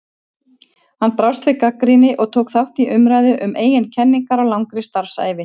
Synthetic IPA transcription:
hanːpɾawst̪fɪkakːɾinɪʔɔɣt̪ʰoːwkθawht̪iʔʏmɾaːjðʏʔʏmeːjɪncʰɛnːiŋkaɾawlawŋkɾɪst̪aɾ̥fsa̰ːjvɪ

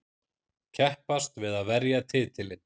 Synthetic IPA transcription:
cʰɛhpast̪vɪðaðvɛɾjat̪ʰɪːt̪ʰɪlɪn

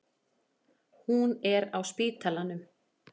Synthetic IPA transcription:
hunɛɾawspiːt̪ʰalanʏm

